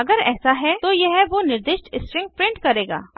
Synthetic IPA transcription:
ɐɡəɾɛ̰ːsaɦɛt̪ojɛɦɛʋonɪɾd̪ɪʃʈɪsʈɾɪ̃ŋɡ̚pɾɪ̃ɳʈkɐɾeːɡa̰ː

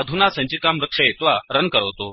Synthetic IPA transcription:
əd̪ʱunasə̃ɲt͡ɕiːkamɾəkʂəet̪ʋaɾənkəɾəʋt̪o

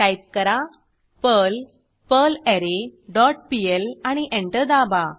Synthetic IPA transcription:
kɐjp̚kɐɾa | pəːl | pəːleɾeɖɔːʈ̚pielañiʔeɳʈəd̪aːbaː

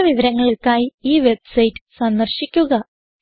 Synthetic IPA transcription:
ɐʋiʋɐɾɐŋːɐɭiɭkaːjiiːʋe̞bsɐjʈːɨ̥sɐnd̪ɐrɕikʲːuɣɐ

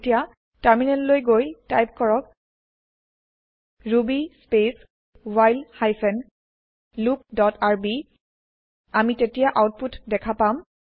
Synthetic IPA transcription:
tija | taɹminɛllojɡojtajp̚kɔɹɔk | ɹubispes | wajlhajpʰɛn | lup̚dɔtaɹbi | amitetijaʔawt̚putdɛkʰapam

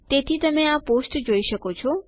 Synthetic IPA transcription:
t̪et̪ʰit̪əmẽaposʈd͡ʒoiʃəkot͡ʃʰɔ

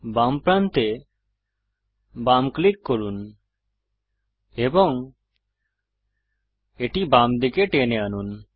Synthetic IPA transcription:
bampɾant̪e | bamklikːoɾun | ebɔŋ | eʈibamd̪ikeʈeneanun

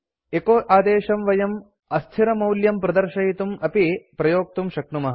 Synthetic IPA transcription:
ekoːʔaːd̪eːʃɐmʋɐjɐm | ɐst̪ʰiɾɐmɐwljɐmpɾɐd̪ɐɾʃɐjit̪umɐpipɾɐjoːk̚t̪umʃɐk̚numɐɦ

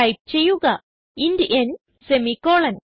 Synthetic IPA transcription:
ɐjp̚t͡ɕejːuɣɐ | indʔen | semikoːɭɐn

